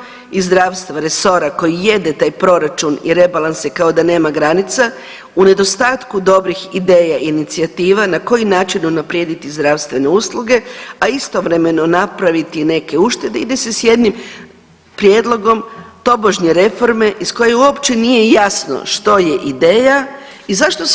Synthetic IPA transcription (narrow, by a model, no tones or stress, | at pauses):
izd̪ɾaːʋst̪ʋaɾe̞so̞ɾako̞jije̞d̪e̞t̪aːjpɾo̞ɾat͡ʃunḭɾe̞balˠansekao̞d̪ane̞ːmaɡɾanit̪sa | une̞d̪o̞st̪aːt̪kud̪o̞bɾixid̪e̞ːjaʔinit̪siat̪iːʋanako̞jinaːt͡ʃinunapɾje̞ːd̪it̪izd̪ɾaʋst̪ʋe̞ne̞uslˠuɡe̞aist̪o̞ʋɾe̞me̞no̞napɾaʋit̪ine̞ke̞uʃt̪e̞d̪eid̪esesje̞d̪nim | pɾjeːd̪lˠo̞ɡo̞mt̪o̞boʒɲe̞ɾe̞fo̞ɾme̞ʔisko̞jeuopt͡ɕe̞nije̞jasno̰ʃt̪o̞je̞ʔid̪e̞ːja | izaʃt̪o̞